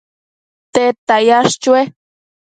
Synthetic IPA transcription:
t̪et̪ajaʃt͡ʃue

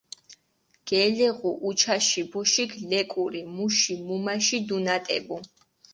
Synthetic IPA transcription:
ɡ̥ɛlɛʁuʔut͡ʃʰaʃibɔʃikʰlɛkʼuɾimuʃimumaʃid̪unat̪ʼɛ̰bu

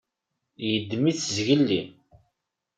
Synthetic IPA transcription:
jəd̪ːmiθzʝəlːḭ

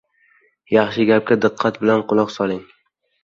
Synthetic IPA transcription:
jɑχʃɪɡʲap̚kʲad̪ɨqʰːɑt̪bɪlanqʰʊlˠɒqsɒlˠɪŋ

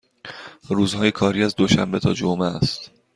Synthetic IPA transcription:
ɾuːzhɒːjekʰɒːɾiːæzd̪oʃæmbe̞t̪ʰɒ̰ːd͡ʒomest̪

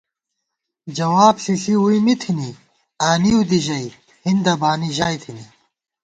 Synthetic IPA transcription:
d͡ʑɐwaːbɬiɬiuimit̪ʰini | aːniud̪iʑɐi | hind̪ɐbaːniʑaːjt̪ʰini

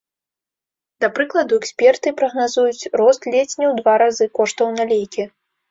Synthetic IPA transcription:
d̪apɾɨklˠɐd̪uɛksʲpʲɛrt̪ɨpɾɐɣnazujut͡sʲrɔst̪lʲet͡sʲnʲɛwd̪vaɾazɨkɔʂt̪ɐwnalʲejkʲi

